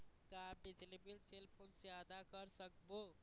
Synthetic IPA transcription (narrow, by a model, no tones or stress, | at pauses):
kabɪd͡ʒlibilselpʰoːnsjad̪akəɾsəkbo